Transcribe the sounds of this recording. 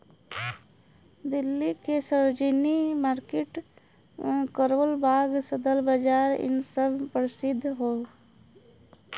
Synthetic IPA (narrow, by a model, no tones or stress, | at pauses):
d̪ɪlːikesəd͡ʒinimaːɾkeʈ | kəɾoːlbʱaːɡsəd̪əlbəd͡ʒaːɾɪ̰nsəbʱpəɾsɪd̪ʱːɦoː